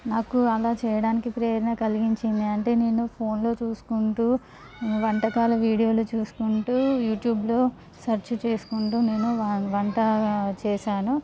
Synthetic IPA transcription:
naːkuɐlaːt͡ʃɛːjɐɽaːnikipɾeːɾɐnɐkɐliɡiɲt͡ʃind̪iɐɳʈe̞ːne̞ːnupʰo̞ːnlo̞ːt͡ʃuːsu̥kuɳʈuː | ʋɐɳʈɐkaːlɐʋiːɽijo̞ːlut͡ʃuːsu̥kuɳʈuːjuːʈjuːblo̞ː | sɐɾt͡ʃut͡ʃe̞ːsu̥kuɳʈuːne̞ːnuʋɐɳʈɐt͡ʃɛːʃaːnu

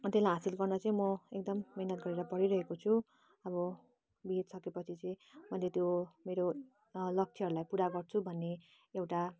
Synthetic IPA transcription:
t̪elaɦasilɡʌrnʌt͡sʌĩmʌek̚d̪ʌmːiɦnʌt̪̚ɡʌɾeɾʌpʌɽiɾʌɦekot͡sʰu | ʌβʌ | biet̪sʌkepʌt͡sʰit͡sʌ̃ĩbʱʌlet̪jomeɾo | lʌk̚t͡sʰiɦʌɾulajpuɾaɡʌrt͡sʰubʱʌnːe | ewʈa

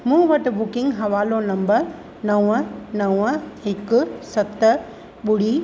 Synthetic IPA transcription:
mũːʋɐʈɪbʊkɪ̃ŋɡɦɐʋaːlonɐ̃mbɐɾ | nɐʋnɐʋɪkʊsɐt̪ | ɓʊɽiː

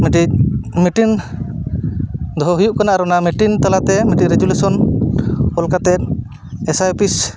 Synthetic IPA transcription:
miʈic̚miʈin | d̪ɔɔɦujuʔkanaʔaɾɔnamiʈint̪alat̪ɛmiʈiɾɛd͡ʒulusɔn | ɔlkat̪ɛt̪̚ | ɛsajpis

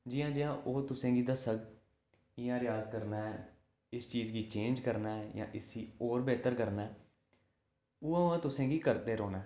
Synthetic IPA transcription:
d͡ʒɪjãːd͡ʒɪjãːʔoːt̪ʊsẽːɡiːd̪aːsəɡ | ɪjãːɾɪjaːzkəɾnaːɛː | ɪst͡ʃiːzɡiːt͡ʃẽːnd͡ʒkəɾnaːɛjã̰ːʔɪsiːoːɾbɛːt̪əɾkəɾnaːɛː | uːãːʊãːt̪ʊsẽːɡiːkəɾd̪eːɾoːnaː

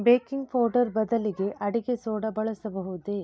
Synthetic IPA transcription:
beːkiŋɡpʰoːɾɖɐɾbɐd̪ɐliɡe̞ʔɐɽiɡesoːɽɐbɐɭɐsɐbɐɦud̪e

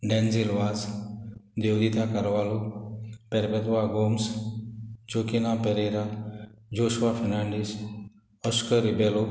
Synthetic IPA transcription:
ɖɛ̃nd͡zilʋaz | d̪ewd̪it̪akəɾʋalupɛɾpɛt̪ʋaɡoms | d͡ʒokinapeɾeɾad͡ʒoɕʋafʰɛnãɳɖis | əskəɾibɛlo

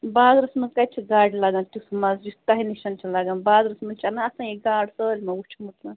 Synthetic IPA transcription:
baːd̪ɾɐsmɐnzkat͡ʃʰiɡaːɽʲlaɡãnt̪usmɐzd͡ʒust̪aɦiniʃɐnt͡ʃʰɐlaɡanbaːd̪ɾɐsmɐnt͡ʃanaɐsãjeɡaːɽsəːlʲmɐut͡ʃʰmuʈ̪la

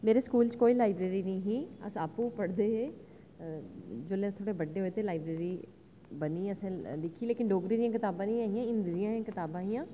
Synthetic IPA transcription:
meːɾeːskuːlt͡ʃkoːiːlaːɪbɾeːɾiːnəĩːɦiːə̰saːpũːpəɽd̪eːɦeː | d͡ʒoːlẽt̪ʰoːɽeːbəɖeːɦoeːt̪eːlaːɪbɾeːɾiː | bəniːəsẽlɪkʰileːkɪnɖoːɡɾiːd̪ijãːkɪt̪aːbãːnĩːaːɦijãːɪ̃nd̪ɾijãːãːkɪt̪aːbãːɦijãː

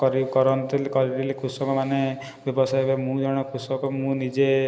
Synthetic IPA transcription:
kɔɾikɔɾɔnt̪ilkɔɾit̪ilikʰusɔkɔmane | bjɔbɔsajbamũd͡ʒɔɽ̃ɔkʰusɔkɔmũnid͡ʒe

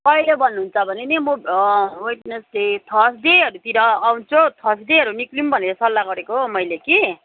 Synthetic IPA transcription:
pʌilebʱʌnːuɦunt͡sʰʌbʱʌnenimobwiʈnesdet̪ʰʌsd̪eɦʌɾut̪iɾʌːwnt͡sʰot̪ʰʌsd̪eɦʌɾuniklimbʱʌneɾʌsʌlːaɡʌɾekomʌjleki

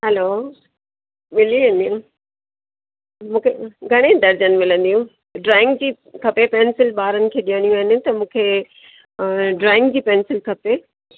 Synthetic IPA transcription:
ɦɛlo | mɪliʋĩːnd̪iũ | mũːkʰeɡʱɐɽ̃ed̪ɐɾd͡ʑənɪ̆mɪlə̃nd̪ijũː | ɖɾaːɪ̃ŋɡd͡ʑiː | kʰɐpepɛːnsɪlɓaːɾənɪ̆kʰeːɗiɦəɽ̃ijũaːɦɪnɪ̆t̪ɐmũːkʰe | ɖɾaːɪ̃ŋɡd͡ʑiːpɛːnsɪlkʰɐpe

